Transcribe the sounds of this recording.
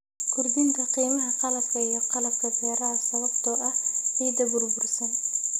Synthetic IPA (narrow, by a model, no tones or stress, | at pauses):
kʰʊrd̪ɪŋkʰɐqiːmɐɦɐqɑlɐb̚kʰɐijɞqɑlɐb̚kʰɐbɛːɾɐɦɐsɐβɐbt̪ʰɔʔɐhiːd̪ɐbʊrbʊrsɐn